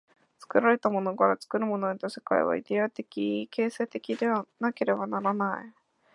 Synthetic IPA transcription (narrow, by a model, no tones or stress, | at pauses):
t͡sɨ̥kɯ̟ɾaɾe̞t̪amo̞no̞kaɾat͡sɨ̥kɯ̟ɾɯ̟mo̞no̞ɲʲit̪ose̥ka̰ḛβa̰ḭd̪e̞at̪e̞kʲike̞ːse̞ːt̪e̞kʲid̪e̞βanake̞ɾe̞banaɾanai